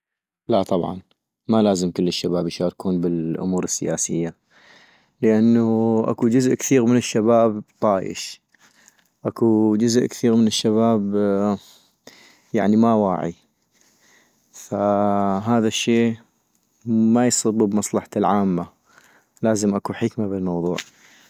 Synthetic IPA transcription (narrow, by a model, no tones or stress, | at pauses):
lat̪ˤɑbʕɑ̰n | malaːzɪmkʊlːɪʃːabaːbjʃaːɾkuːnbɪlʔʊ̰muːɾɪsːɪja̰ːsɪjːa | ləʔanːaʔa̰kud͡ʒʊzʔkθiːɣmɪnɪʃːabaːbt̪ˤɑːjɪ̰ʃ | ʔakud͡ʒʊzʔkθiːɣmɪnɪʃːaβaːb | ja̰ʕnimawa̰ːʕḭ | faɦaːðaʃːeː | majsˤɨbːubmɑsˤlɑħḁlʕaːmːa | laːzəmʔakuħɪkmabɪlmɑwðˤṵːʕ